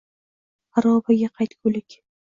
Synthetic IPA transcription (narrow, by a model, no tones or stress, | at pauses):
aɾɒbaɡʲaqʰɑjt̪kʲʰɵlɪkʲ